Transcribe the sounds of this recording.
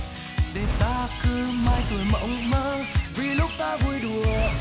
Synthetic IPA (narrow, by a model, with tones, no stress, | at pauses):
ɗe˨˧˩nt̪aː˧kɨ˧maː˧jt̪u˨˩əjmə̰˧˨˥wŋ͡mməː˧˦vi˧˨˩lʊ˦˥k͡p̚t̪aː˧vu˧˩əjɗu˨˩ə